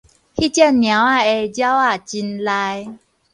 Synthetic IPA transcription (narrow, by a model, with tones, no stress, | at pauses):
hi˦t͡ɕja˥˨nnj̃ã˨˦wa˥˧˨e˧d͡ʑja˦wa˥˧˨t͡ɕi˧nla˧j